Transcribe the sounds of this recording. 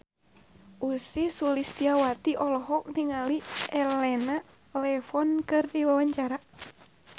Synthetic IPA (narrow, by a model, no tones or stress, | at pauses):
ʔusisulist̪iawat̪iʔɔlɔɦɔk̚niŋaliɛlɛna | lɛfɔnkɨrdiwawaɲt͡ʃaɾa